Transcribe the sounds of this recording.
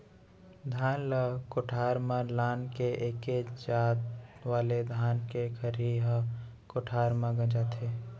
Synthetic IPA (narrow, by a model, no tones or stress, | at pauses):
d̪ʱaːnləkoʈʰaːɾmalaːnkeʔeked͡ʒaːt̪ʋaːled̪ʱaːnkekʰəɾiɦə | koʈʰaːɾmãɡə̃d͡ʒat̪ʰe